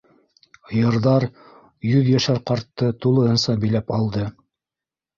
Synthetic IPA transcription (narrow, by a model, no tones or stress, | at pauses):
jɤ̆ɾðɑɾ | jɵðjæʃæɾqɑɾt̪ːɤt̪ulˠɤ̆hɤ̆nsɑbɘ̆jlæpɑlˠd̪ɤ